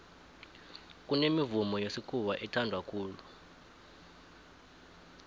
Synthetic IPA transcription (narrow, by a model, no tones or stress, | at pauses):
k̬ʼunemivumɔjosikʰuwaʔɛtʰandʱwakʰuːlu